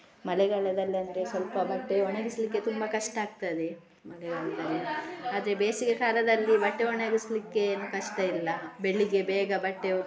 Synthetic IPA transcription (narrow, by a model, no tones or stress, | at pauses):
mɐlɛɡɐɭɐd̪ɐlːiɐnd̪ɐɾesʋɐlpɐbɐʈːeɔɳɐɡislikːe̞t̪umbɐkɐʂʈɐaːɡ̚t̪ad̪e | mɐlɛɡɐɭɐd̪ɐlːiaːd̪ɐɾe̞beːsikɐkaːlɐd̪ɐlːibɐʈːeoɳeɡislikːeːnukɐʂʈɐilːɐbeɭːiɡe̞bɛːɡɐbɐʈːe